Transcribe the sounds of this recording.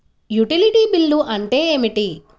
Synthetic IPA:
juʈiliʈiːbilːuʔɐɳʈe̞ːeːmiʈi

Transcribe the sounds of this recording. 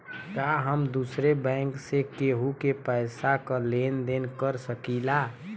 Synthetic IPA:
kaɦəmd̪usɾebɛ̃ŋksekeɦukepɛɪsakəlend̪enkəɾsəkila

